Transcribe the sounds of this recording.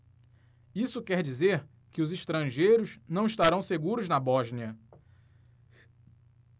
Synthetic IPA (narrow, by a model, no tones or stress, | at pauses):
isʊkɛɾd͡ʒizeɾ | kɪʊziʃt̪ɾɐ̃ʒejɾʊznɐ̃w̃iʃt̪aɾɐ̃w̃seɡuɾʊznɐbɔʒniɐ